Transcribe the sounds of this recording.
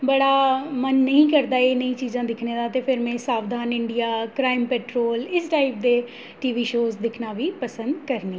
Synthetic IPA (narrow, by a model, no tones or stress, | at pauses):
bəɽaːmənːəɦĩːkəɾd̪aːeːnəĩːt͡ʃiːzãːd̪ɪkʰneːd̪aːt̪eːpʰɪɾmɛ̃ːsaːʋd̪ʱaːnɪɳɖijaːkɾaːɪmpɛːʈɾoːlɪsʈaːɪp̚d̪eː | ʈiːʋiːʃoːzd̪ɪkʰnaːʋiːpəsə̃nd̪kəɾniː